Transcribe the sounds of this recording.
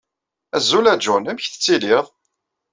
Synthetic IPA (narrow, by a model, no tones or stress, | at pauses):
æzːulæd͡ʒunæməçθə̥t͡sːiliðˤ